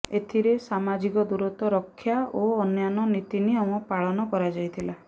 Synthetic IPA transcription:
et̪ʰiɾesamad͡ʒikɔd̪uɾɔt̪ɔɾɔkʰːjaʔoɔnjanɔnit̪iniaw̃ɔpaɭɔnɔkɔɾad͡ʒajt̪ʰila

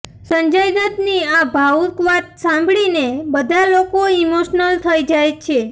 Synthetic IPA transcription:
səɲd͡ʒajd̪ət̪niabʱaukʋat̪̚sãmbɭinebəd̪ʱalokoimoʃnəlt̪ʰəjd͡ʒajt͡ʃʰe

